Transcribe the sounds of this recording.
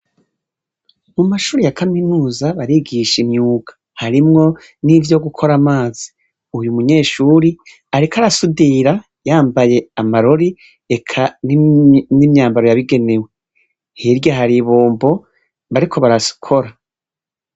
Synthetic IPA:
mumaʃuːɾijakaminuːzaβaɾiɡiʃimɲuːɡḁ | haɾimŋo̞ | nivjo̞ɡukʰo̞ɾamaːz̥i | ujumuɲe̞ːʃuɾi | aɾikʰaɾasudiɾa | jaːmbaje̞amaɾoɾi | ekʰannimɲaːmbaɾo̞jaβiɡe̞ne̞we | hiɾjaɦaɾiβoːmbo̞ | βaɾikʰo̞βaɾasu̥kʰo̞ɾa

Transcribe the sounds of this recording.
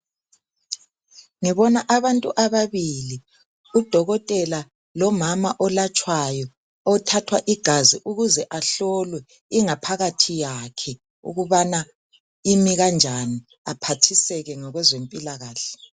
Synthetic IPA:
ŋiβɔnaʔaβantʼuʔaβaβili | ud̥ʱɔɣɔtʼɛla | lɔmamaʔɔlat͡ʃʼwajɔ | ɔtʰatʰwaʔiɡ̥ʱaziʔuɣuzɛʔaɬɔlwɛ | iŋapʰaɣatʰijakʰɛ | ṵɣuβana | imiɣand͡ʒʱani | apʰatʰisɛɣɛŋɔɣwɛzempʼilaɣaːɬɛ̥

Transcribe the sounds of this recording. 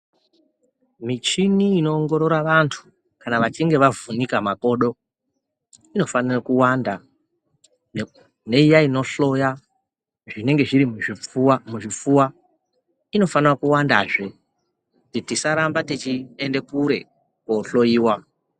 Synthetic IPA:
mit͡ʃiniːno̞ːŋɡo̞ɾo̞ɾaʋantʰu̥ | kanaʋat͡ʃiŋɡe̞ʋavunikamako̞ːɗo̞ | ino̞fanirakuwanda | ne̞ijaino̞ɬoja | ʐine̞ŋɡe̞ʐiɾi | muʐip͡fuwa | ino̞fanirakuwandaːʐe̞ | titisaɾambatit͡ʃiende̞kuɾe̞̰ | koɬo̞jiːwa

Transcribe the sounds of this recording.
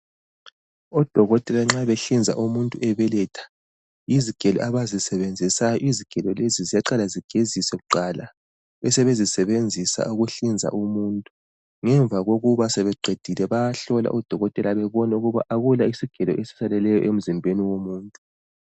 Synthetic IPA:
ɔd̥ʱɔɣɔtʼɛlaŋ͡ǁaβɛɬind͡zʱa̰ʔumuntʼuʔɛβɛlɛtʰḁ | iziɡ̥ʱɛlɔ̰ʔaβazisɛβend͡zʱisajɔʔiziɡ̥ʱɛlɔlezizijaǃalaziɡ̥ʱezisɛɣuǃala | βɛsɛβezisɛβend͡zʱisa̰uɣuɬind͡zʱa̰ʔumuntʼu | ŋɛɱb̪vʱaɣoɣuβasɛβɛɡ͡ǃʱed̥ʱilɛβaɬɔla̰ʔɔd̥ʱɔɣɔtʼɛlaβɛβɔnɛuɣuβa̰ʔaɣulaisiɡ̥ʱɛlɔ̰ʔesi̥salɛlɛjɔ̰ʔem̩zimbʱeniwomuːntʼu

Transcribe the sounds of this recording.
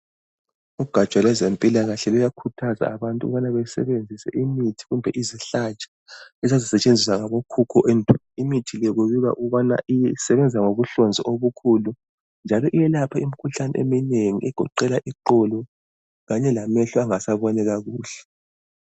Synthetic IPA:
uɡ̥ʱḁt͡ʃʼwalwɛzempʼilaɣaɬɛlɔjakʰutʰaza̰aβantʼuṵβanaβɛsɛ̰βend͡zʱisɛ̰ʔimitʰi̥ɣumbʱɛʔiziɬat͡ʃʼḁ | ɛzazisɛt͡ʃʼend͡zʱis̬aŋaβokʰukʰɔʔɛndʱɔ | imitʰilɛɣuβiɣa̰ʔuβana̰ʔijɛsɛβɛnd͡zʱsaŋoɣuɬɔnd͡zʱiʔoβukʰulu | nd͡ʒʱalɔʔijɛlapʰaimikʰuɬanɛʔḛmineŋiʔɛɡ̥ʱɔǃɛlaʔiǃɔlɔ | ɣaɲɛlamɛɬɔaŋasaβɔnɛɣaɣuːɬɛ̥

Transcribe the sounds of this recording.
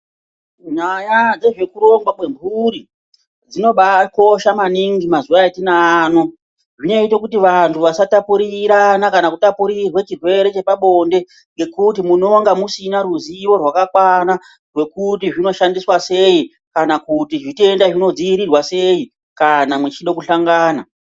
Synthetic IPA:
ɲajad͡ze̞ʐe̞kuɾo̞ŋɡwaɓwe̞mbʱuɾi | d͡zino̞ɓako̞ʃamaniŋɡimazuʋaatinano | ʐino̞itakutiʋantʰuʋasatapuɾiɾanakanakutapuɾirwet͡ʃirwe̞ɾe̞t͡ʃe̞paɓo̞nde̞ | ŋɡe̞kutimuno̞ŋɡamusinaɾuziʋo̞rwakakwana | rwe̞kutiʐino̞ʃandiswase̞i | kanakutiʐitiendaʐino̞d͡ziiɾirwase̞i | kanamwet͡ʃiɗo̞kuɬaŋɡaːna

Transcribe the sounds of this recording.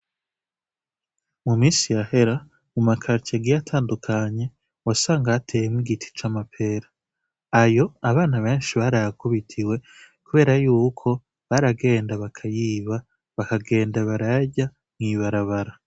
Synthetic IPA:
mumiːsijahe̞ɾa | mumakʰaɾcaɡijatʰaːndukʰaɲe̞ | wasaːŋɡatʰe̞ːjemwiɡitʰi̥t͡ʃamapʰe̞ɾḁ | ajo̞aβaːnaβe̞ːnʃiβaɾajakuβitʰiwe̞ | kuβe̞ːɾajuːkʰo̞ | βaɾaɡe̞ːndaβakʰajiːβa | βakaɡe̞ːndaβaɾaɟa | mŋiːβaɾaβaɾa

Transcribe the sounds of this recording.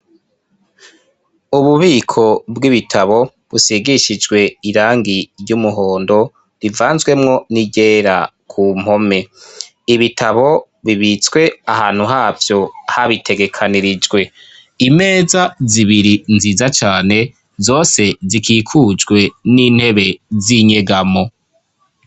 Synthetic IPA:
uβuβiːkʰo̞bɡiβitʰaβo̞ | βusiɡiʃid͡ʒɡwe̞iɾaːŋɡiɾjɟumuɦoːndo̞ | ɾivaːnzɡwe̞mŋo̞niɟe̞ːɾa̰kʰum̥ho̞me̞ | iβitʰaβo̞ | βiβit͡swe̞ahaːn̥huɦaːvjo̞haβitʰe̞ɡe̞kʰaniɾid͡ʒɡwe̞ | ime̞ːzaziβiɾinziːzat͡ʃaːne̞ | zo̞ːse̞zikʰiːkʰuːd͡ʒɡwe̞niːn̥he̞βe̞ziɲe̞ɡamo̞

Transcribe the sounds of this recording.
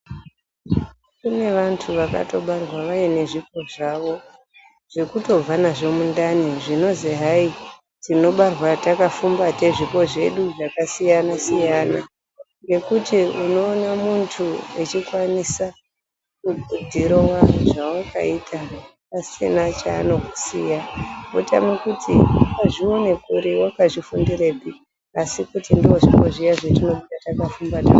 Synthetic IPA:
kune̞ʋantʰuʋaka̰to̞ɓarwaʋajine̞ʐipo̞ʐaʋo̞ | ʐ̥e̞kuto̞b͡vanaʐe̞mundaniʐino̞ziɦai | tino̞ɓarwatakafumbate̞ʐipo̞ʐe̞ɗuʐakasijanasijana | ŋɡe̞kutiuno̞ːnamuntʰuet͡ʃikwanisa | kubʱud͡zʱiɾowaʐawakʰa̰itʰapasinat͡ʃaːno̞ku̥sijaota̰mekutʰḭkaʐione̞kuɾiwakaʐifundire̞pi | asikutindioʐikoʐijaʐetino̞ɓutatakafumbata̰

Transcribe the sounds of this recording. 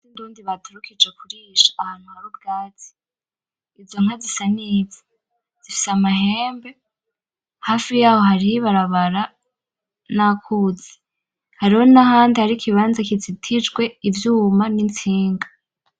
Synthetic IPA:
sinduːndiβatuɾukʰid͡ʒekuɾiːʃḁːhaːn̥huaβob̚ɡaːt͡si̥ː | zo̞ŋ̥azisaniːze | d͡z̥ifi̥samaɦeːmbe̞ | haːfijaːho̞haɾihiβaɾaβaɾa | nakʰuze̥ | haɾiho̞naɦaːndihaɾikʰiβaːnzakit͡sitʰid͡ʒɡwe̞ivjuːmanint͡siːŋɡḁ

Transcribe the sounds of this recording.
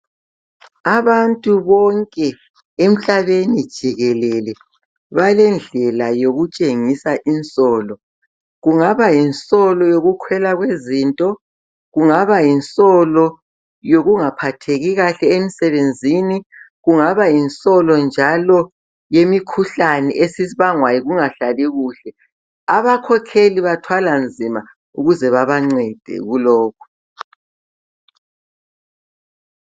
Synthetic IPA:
aβantʼuβɔŋkʼɛ | em̩ɬaβenid̥ʒ̥ʱiɣɛlɛlɛ | βalɛnd͡ɮʱɛlajoɣut͡ʃʼeŋisaʔinsʼɔːlɔ | ɣuŋaβajinsʼɔlɔjoɣukʰwɛlaɣwezintʼɔ | ɣuŋaβainsʼɔlɔ | joɣuŋapʰatʰeɣiɣaɬɛemisɛβend͡zʱini | ɣuŋaβajinsʼɔlɔnd͡ʒʱalɔ | jemikʰuɬanɛʔesisiβaŋwajiɣuŋaɬaliɣuːɬɛ | aβakʰɔkʰeliβatʰwaland͡zʱima | uɣuzɛβaβaŋ͡ǀɛd̥ʱɛ̰ɣulɔːkʰu̥

